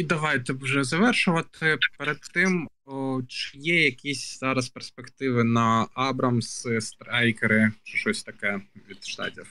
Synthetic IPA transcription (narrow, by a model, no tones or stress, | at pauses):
id̪ɐʋajt̪ɛwʐɛzɐʋɛrʃʊʋɐt̪ɪpɛɾɐd̪tːɪm | t͡ʃɪjɛjɐkʲisʲz̥ɑɾɐspɛrspɛkt̪ɪʋɨnɐabɾɐmsɨst̪ɾajkɛɾɪt͡ʃɨʃɔsʲt̪ɐkɛʋʲid̪ʃt̪a̰dʲif